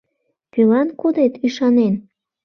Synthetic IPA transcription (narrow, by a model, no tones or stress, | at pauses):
kylɑnkud̪et̪yʃɑnen